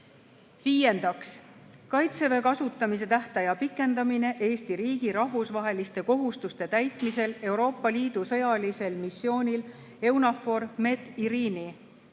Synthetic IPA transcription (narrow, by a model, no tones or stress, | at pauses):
viːje̞nd̪ɑks | kɑjt̪se̞ve̞kɑsut̪ːˑɑmis̬e̞t̪æht̪ɑjɑpikːˑe̞nd̪̥ɑmine̞ʔe̞ːst̪iɾiːɡ̥iɾɑɦvusvɑɦe̞list̪e̞ko̞ɦust̪ust̪e̞t̪æjt̪mise̞le̞wɾo̞ːpːˑɑliːd̪̥usɤ̞jɑlise̞lmisːjo̞ːnʲil | e̞wnɑfo̞ɾme̞d̪iɾiːni